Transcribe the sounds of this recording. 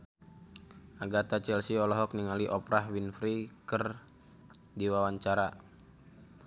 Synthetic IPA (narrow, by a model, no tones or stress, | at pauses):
aɡat̪at͡ʃɛlsiɔlɔɦɔk̚niŋaliʔɔpɾaɦwinfɾikər | diwawaɲt͡ʃaɾa